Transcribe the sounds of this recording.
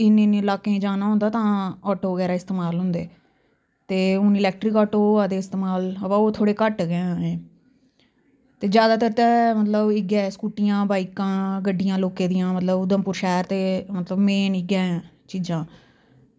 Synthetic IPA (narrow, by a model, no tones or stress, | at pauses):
ɪnenːlaːkẽːd͡ʒaːnaːɦʊ̃nd̪aːt̪ãːɔːʈoːʋəɡɛːɾaːɪst̪eːmaːlɦʊ̃nd̪eː | t̪eːʊnɪlɛːk̚ʈɾɪkɔːʈoːaːd̪eːɪst̪eːmaːləʋaːoːt̪ʰoːɽeːkəʈɡãːẽː | t̪eːd͡ʒjaːd̪aːt̪əɾt̪ɛːmət̪ləbɪɡɛːskuːʈɪjãːbaːikãːɡəɖːɪjãːloːkeːd̪ijãːmət̪ləbd̪əmpʊːɾʃɛːɾt̪eːmət̪ləbmeːnɪɡɛ̃ː | t͡ʃiːd͡ʒãː